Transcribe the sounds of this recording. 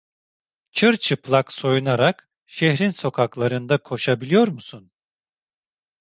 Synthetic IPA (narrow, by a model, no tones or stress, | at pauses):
t͡ʃʰɯɾt͡ʃʰɯplˠakso̞junaɾak | ʃehɾinso̞kʰaklˠaɾɯnd̪akʰo̞ʃabilʲijo̞ɾmusun